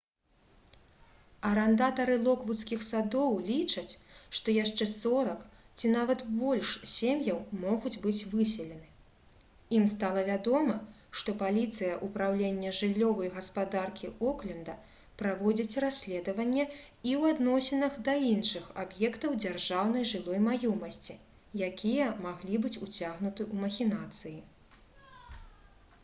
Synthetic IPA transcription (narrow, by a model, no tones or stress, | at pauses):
ɐɾɐnd̪at̪ɐɾɨlˠɔkvut̪skʲixsad̪ɔwlʲit͡ʂɐt͡sʲʂt̪ɔjaʂt͡ʂɛsɔɾɐk | t͡sʲinavɐt̪bɔlʲʂsʲemjɐwmɔɣud͡zʲbɨt͡sʲvɨsʲɛlʲɛnɨ | imst̪alˠɐvʲad̪ɔmɐ | ʂt̪ɔpalʲit̪sɨjɐʔupɾawlʲenʲːɛʐɨlʲːɔvɐjɣɐspad̪arkʲiɔklʲɛnd̪ɐ | pɾavɔd͡zʲit͡sʲrasʲlʲɛd̪ɐvɐnʲːɛ | iwad̪nɔsʲɛnɐɣd̪ɐinʂɨxabjɛkt̪ɐwd͡zʲarʐawn̪ɐjʐɨlˠɔjmajɔmɐsʲt͡sʲi | jakʲʰijɐmaɣlʲibɨt͡sʲut͡sʲaɣnut̪ɨʔumɐxʲinat̪sɨji